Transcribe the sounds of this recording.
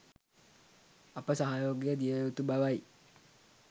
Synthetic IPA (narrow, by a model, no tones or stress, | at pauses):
apəsaɦajoːɡijəd̪ijəut̪ubaʋai